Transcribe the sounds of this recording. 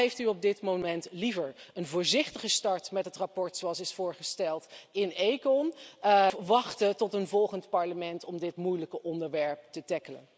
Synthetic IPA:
ejftyɔb̚dɪtmomɛntlivəɹənvʊːɹzɪχtəχəstɑɹtmɛtɦətrapɔɹtsoɑlˠsɪsfʊːɹχəstɛlˠtɪnejkɔn | ʋɑχtətɔtənvɔlˠχəntpɑɹləmɛntɔmdɪtmujləkəʔɔndəɹʋɛɹp̚tətɛkələ̰n

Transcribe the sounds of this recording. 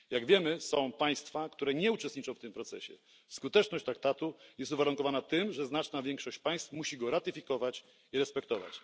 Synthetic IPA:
jaɡvʲjɛmɘsɔ̃w̃paj̃st̪fakt̪uɾɛɲɛut͡ʂɛst̪ɲit͡ʂɔ̃w̃ft̪ɘmpɾɔt̪sɛ̰ɕɛ̰ | skut̪ɛt͡ʂnɔɕt͡ɕt̪ɾak̚t̪at̪ujɛst̪uvaɾuŋkɔvanat̪ɘmʐɛznat͡ʂnavʲjɛŋkʂɔɕt͡ɕpaj̃st̪fmuɕiɡɔɾat̪ɘfʲikɔvat͡ɕ | iɾɛspɛkt̪ɔva̰t͡ɕ

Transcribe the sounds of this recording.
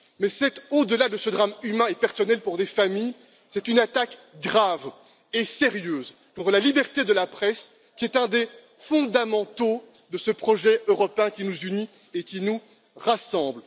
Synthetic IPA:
mɛsɛt̪od̪əlad̪əsəd̪ʁamymɛ̃epɛʁsɔnɛlpuʁd̪efamij | sɛt̪ynat̪ak | ɡʁav | eseʁjøːz | kɔ̃t̪χəlalibɛʁt̪ed̪əlapχɛs | kʲiɛt̪ɛ̃d̪e | fɔ̃d̪amɑ̃t̪o | d̪əsəpχɔʒɛʔøʁɔpeɛ̃kʲinuzyni | ekʲinu | ʁasɑ̃bl

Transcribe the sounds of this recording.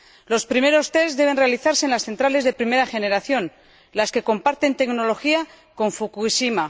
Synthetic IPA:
lo̞spɾime̞ɾo̞st̪e̞zðe̞β̞e̞nre̞aliθaɾseeːnlasθe̞nt̪ɾale̞zðe̞pɾime̞ɾaxe̞ne̞ɾaθjo̞n | laske̞ko̞mpaɾt̪e̞nt̪e̞ɡno̞lo̞xia | ko̞ɱfukuisima

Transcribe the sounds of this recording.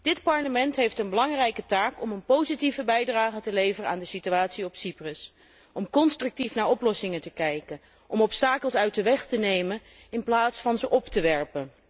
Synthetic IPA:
d̥ɪtpɑɹləmɛntɦejftənbəlɑŋrɛjkətaːkɔmənpowzitivəbɛjdraːχətəlejvərəaːndəsityaːtsiɔpsiprəs | ʔɔmkɔnstrɵk̚tifnaːɹɔplɔsɪŋətəkɛjkən | ʔɔmɔpstaːkəlˠsœɥt̚dəʋɛχtənejmən | ɪnplaːtsfɑnzəʔɔptəʋɛɹpən

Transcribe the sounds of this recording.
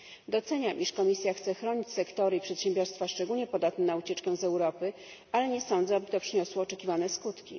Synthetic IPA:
d̪ɔt̪sɛɲamʔiʂkɔmʲisʲjaxt̪sɛxɾɔɲit͡ɕsɛkt̪ɔɾɘipʂɛt̪ɕɛ̃mbʲjɔɾst̪faʂt͡ʂɛɡulɲɛpɔd̪at̪nɛnaut͡ɕɛt͡ʂkɛw̃zɛwɾɔpɘ | alɛɲɛsɔ̃nd̪zɛabɘt̪ɔpʂɘɲɔswɔːt͡ʂɛkʲivanɛskut̪kʲḭ

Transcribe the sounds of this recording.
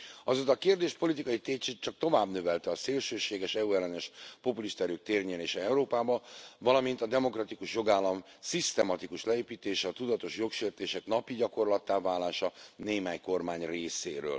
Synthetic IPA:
ɒzot̪ɒkeːrd̪eːʃpo̞lit̪ikɒjit̪eːt͡ʃit͡ʃɒk̚t̪o̞vaːbnøvɛlt̪ɛɒseːlʃøːʃeːɡɛʃɛuɛlːɛnɛʃpo̞puliʃt̪ɔɛɾøːk̚t̪eːrɲɛleːʃɛɛuɾoːpaːbɒvɒlɒmint̪ɒd̪ɛmo̞krɒt̪ikuʃjo̞ɡaːlːɒmsist̪ɛmɒt̪ikuʃlɛeːpiːt̪eːʃɛɒt̪ud̪ɒt̪o̞ʃjo̞kʃeːrt̪eːʃɛknɒpiɟɒko̞rlɒt̪ːaːvaːlaːʃɒneːmaːɲko̞rmaːɲreːseːɾø̰ːl

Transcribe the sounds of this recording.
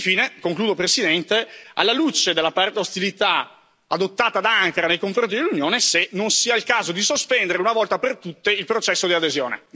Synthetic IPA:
fiːnekoŋkluːd̪opɾesid̪ɛnt̪ea̰lːalut͡ʃed̪elːapart̪ost̪ilit̪a | ad̪ot̪ːaːt̪ad̪aaŋkɾanejkoɱfɾont̪id̪elːunjoːnesenonsiːailkaːzod̪isospɛnd̪eɾeunavɔlt̪apert̪ut̪ːeilpɾot͡ʃɛsːod̪iad̪ezjoːnḛ

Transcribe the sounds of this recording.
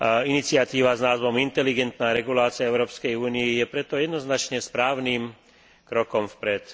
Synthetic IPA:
init͡sɪat̪iːʋaznaːzʋɔmint̪ɛliɡɛnt̪naːɾɛɡulaːt͡siaɛʊɾɔːpskɛjuːniijɛpɾɛt̪ɔjɛd̪nɔznat͡ʃɲɛspɾaːʊniːm | kɾɔkɔmfpɾɛt̪

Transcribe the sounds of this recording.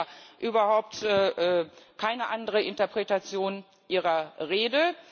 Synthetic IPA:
ʔyːbɐhaʊp̚tɛːʔɛːkʰaɪnəʔandəʁəʔɪntɐpʁ̥ɛtat͡sjoːn | ʔiːʁɐʁeːdə

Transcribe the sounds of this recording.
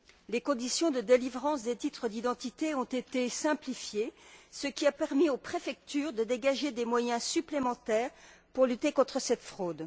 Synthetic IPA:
lekɔ̃d̪isjɔ̃d̪əd̪elivʁɑ̃sd̪et̪it̪χəd̪id̪ɑ̃t̪it̪eɔ̃t̪et̪esɛ̃plifjesəkʲiapɛʁmiopχefɛk̚t̪yːʁd̪əd̪eɡaʒed̪emwajɛ̃syplemɑ̃t̪ɛːʁpuʁlyt̪ekɔ̃t̪χəsɛt̪fχod̪

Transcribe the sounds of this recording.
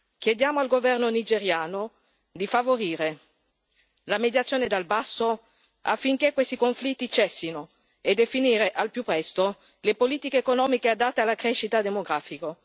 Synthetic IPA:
kjed̪jaːmoalɡovɛrnonid͡ʒeɾjaːno | d̪ifavoɾiːɾe | lamed̪jat̪sjoːned̪albasːo | a̰fːiŋkekːwest̪ikoɱflit̪ːit͡ʃɛsːino | ed̪efiniːɾeʔalpjupːɾɛst̪o | lepoliːt̪ikeːkonɔːmikead̪at̪ːealakɾeʃːit̪ad̪emoɡɾaːfiko

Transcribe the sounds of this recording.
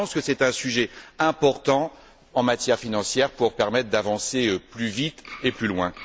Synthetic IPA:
ɑ̃skəsɛt̪ɛ̃syʒɛɛ̃pɔʁt̪ɑ̃ | ɑ̃mat̪jɛʁfinɑ̃sjɛʁpuʁpɛʁmɛt̪χd̪avɑ̃seøplyvit̪eplylwɛ̃

